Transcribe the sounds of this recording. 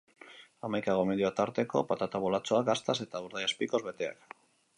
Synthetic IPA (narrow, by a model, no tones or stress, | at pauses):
amajkaɣomeðiat̪aɾt̪e̞ko̞̰pat̪at̪aβolat͡so̞aɡast̪ase̞t̪auɾðajaspiko̞zβe̞t̪e̞a̰k